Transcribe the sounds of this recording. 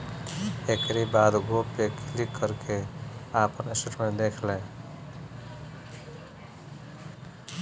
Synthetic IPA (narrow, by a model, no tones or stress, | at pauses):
ekɾibaːd̪ɡoːpekilikːəɾkʰeaːpənesəʈmed̪eːkʰle